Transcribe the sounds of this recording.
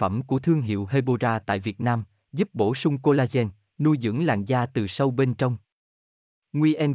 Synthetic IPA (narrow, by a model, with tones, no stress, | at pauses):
ə˧˩mku˧˩ət̪ʰɨ˧əŋɦḭ˧˨əwɦe˧ɓo˧zaː˧t̪a̰ː˧˨jvi˨˩ət̚naː˧m | zu˦˥p̚ɓo˧˩sʊ˧ŋ͡mko˧laː˧zɛ˧n | nu˧jzɨ̰˧˥ŋla̰ː˧˨ŋzaː˧t̪ɨ˨˩sə˧wɓe˧nt͡ɕə˧wŋ͡m | ŋwi˧ʔɛ˧n